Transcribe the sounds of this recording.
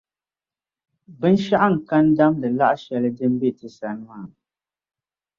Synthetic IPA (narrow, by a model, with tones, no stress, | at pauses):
bɨ˦n̩˦ʃa˦ʔa˦ŋ̩˨ka˦n̩˦da˦mlɨ˨la˦ʔʃɛ˨lɛ˦dɨ˦m˦bi˦˨tɨ˨sa˨n˦a˨